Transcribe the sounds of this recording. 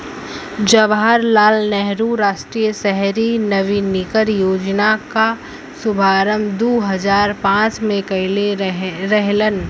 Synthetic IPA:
d͡ʒɐʋɦaɾlaːlnɛɦɾuɾaːʃʈɾijəsɛɦɾinɐʋinɪkəɾjoːd͡ʒnaka | sʊbʱaːɾəmd̪oːɦɐzaːɾpãːt͡ʃmẽkɐɪleɾɛɦlən

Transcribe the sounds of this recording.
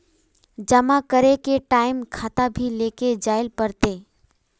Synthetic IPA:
d͡ʒəmãkəɾekeʈaːɪmkʰaːt̪abʱileːked͡ʒaːɪlpəɾt̪e

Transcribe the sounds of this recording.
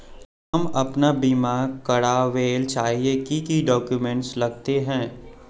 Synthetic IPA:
ɦɐmɐpnabimaːɾɡkɐɽaʋeːlt͡ʃaːɦiekikiɖɔːkjumɛ̃ɳʈslɐɡ̚t̪eɦɛ̃ː

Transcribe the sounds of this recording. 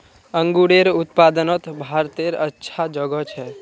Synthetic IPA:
əŋɡuɽeɾut̪pad̪ənət̪bʱaɾt̪eɾətːʃʰad͡ʒəɡət͡ʃʰɛ

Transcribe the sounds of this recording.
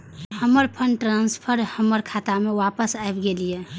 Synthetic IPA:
həməɾpʰənʈɾanspʰəɾhəməɾkʰat̪amewapəsaebɡelije

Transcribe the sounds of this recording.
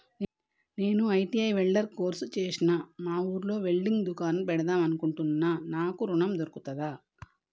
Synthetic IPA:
ne̞ːnuɐjʈiɐjʋɛɭɖɐɾko̞ːɾsut͡ʃe̞ːsinamaːuːɾlo̞ːʋeɭɖiŋɡd̪ukaːnpɛɽɐd̪aːmɐnukuɳʈunːanaːkuɾuɳɐmd̪oɾukut̪ɐd̪aː

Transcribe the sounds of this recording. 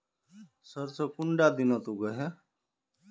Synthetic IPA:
səɾsokʊɳɖaːd̪inoːt̪uːɡəɦɛ

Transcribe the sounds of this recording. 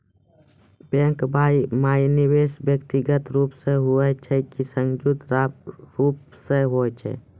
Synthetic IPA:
bẽkbʱaːimaːiniweːsbjəkt̪iɡət̪ɾuːpseɦuɛt͡ʃʰɛkisə̃ŋd͡ʒut̪ɾaɾuːpseɦoɛt͡ʃʰɛ̰

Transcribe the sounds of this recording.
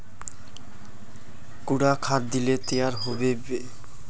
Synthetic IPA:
kuɽakʰat̪d̪ilet̪ejaɾɦobebe

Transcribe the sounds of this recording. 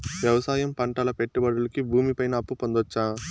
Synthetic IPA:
ʋjɐʋɐsaːjɐmpɐɳʈɐlɐpeʈːubɐɽulɐkibʱuːmipɐjnɐːpːupond̪ot͡ʃːaː

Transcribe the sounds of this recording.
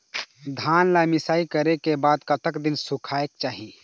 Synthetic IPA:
d̪ʱaːnlamɪsaːikəɾekebaːd̪kət̪əkd̪ɪnsukʰaekt͡ʃaːɦi

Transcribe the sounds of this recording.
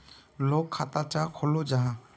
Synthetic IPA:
lokʰːat̪at͡ʃakʰɔlod͡ʒaɦã

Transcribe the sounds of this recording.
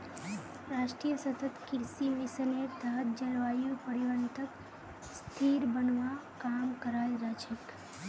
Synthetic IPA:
ɾaʃʈɾijəsət̪ət̪kɪɾsimisəned̪ʱaɦət̪̚d͡ʒəɾʋajopəɽiʋanit̪ək | st̪ʰiɾbənʋakamkəɾajɾad͡ʒək

